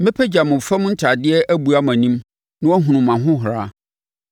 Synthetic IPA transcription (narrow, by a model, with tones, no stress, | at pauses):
mɪ̃˦pʰɛ˦d͡ʑa˨mʊ̃˨fɛ̃˦m˦n̩˦tʰa˨dɪ˦ɛ˦ʔæ˦bu˨a˦mæ̃˨nĩ˦m | nã˦wɔ˦ɦũ˨nʊ̃˨mːã˨ɦʊ̃˦ɦʊ˨ɾa˦